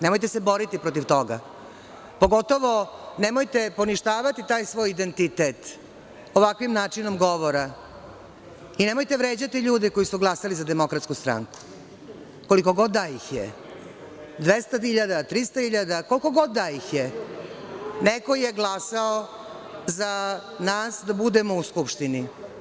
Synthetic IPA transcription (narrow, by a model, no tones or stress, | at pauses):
nemojt̪esɛbo̞ɾit̪ipɾo̞t̪iʋt̪o̞ɡa̰ | po̞ɡo̞t̪oʋo̞nemojt̪e̞po̞niʃt̪aːʋat̪it̪aːjsʋo̞ːjid̪ent̪it̪et̪ | o̞ʋakʋimnaːt͡ʂino̞mɡo̞ʋoɾa | inemo̞jt̪e̞ʋɾeːd͡ʑat̪iʎuːd̪ɛko̞jisuɡlˠasalizad̪emo̞kɾat̪skust̪ɾa̰ŋku̥ | ko̞liko̞ɡod̪ːajixjḛ | d̪ʋest̪aiʎad̪at̪ɾist̪ahiʎad̪akoliko̞ɡod̪ːajixje | neko̞jeɡlˠasao | zanaːsd̪abud̪emouskupʃt̪ini